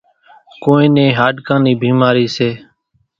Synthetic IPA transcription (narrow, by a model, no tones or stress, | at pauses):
koːĩːnẽːɦaːɖkãːniːbʱiːmaːɾiːseː